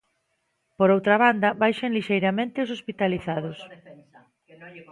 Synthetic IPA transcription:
poɾowt̪ɾɐβand̪ɐβajʃɐŋliʃejɾamẽnt̪ɪʊs̬ospit̪aliθaðʊs

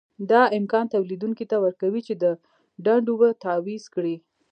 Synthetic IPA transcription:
d̪ɑɪmkɑnt̪awlid̪uŋkit̪awəɾkawit͡ʃed̪ə | ɖaɳɖobət̪awiz̥kɽi

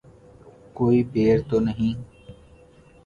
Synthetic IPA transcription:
koːiːpeːɾt̪oːnəɦĩː

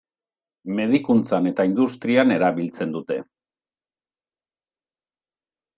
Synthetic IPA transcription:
me̞ð̞ikunt͡sane̞t̪aind̪ust̪ɾiane̞ɾaβilt͡se̞nd̪ut̪e̞̰

